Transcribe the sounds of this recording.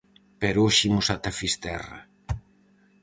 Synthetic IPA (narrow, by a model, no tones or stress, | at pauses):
pɛɾoʃimʊsat̪afist̪ɛrɐ̰